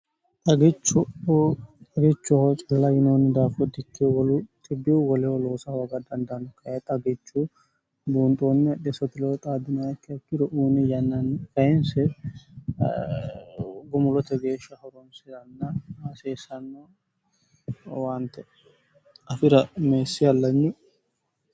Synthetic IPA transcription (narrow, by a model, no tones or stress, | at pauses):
t̪ʼɐɡɛt͡ʃːʊ | t̪ʼɐɡɛt͡ʃːʊhot͡ʃʼɐlːɐjɪnoːnːɪd̪aːfɔd̪ːɪkːɛwɔlʊt̪ʼɪbiwwɔlɛwɔloːsɐwɐɡɐd̪ɐnd̪ɐnɔkɐjet̪ʼɐɡɛt͡ʃːu | buːnt̪ʼoːnːɪɐɗɛsɔt̪ɪloːt̪ʼaːd̪ɪnɐjɐkːɪɐkːɪd̪ɔʔuːnɪjɐnːɐnkɐjɛnsɛ | ɡʊmʊlɔt̪ɛɡe̞ːʃːɐhɔɾɔnsɪdɐnːɐaseːsɐnːɐ | waːnt̪ɛ | ɐfɪɾɐmeːsːɪɐlːɐɲːʊ